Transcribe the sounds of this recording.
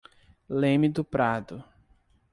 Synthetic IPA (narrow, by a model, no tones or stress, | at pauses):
lẽmɪd̪ʊpɾad̪ʊ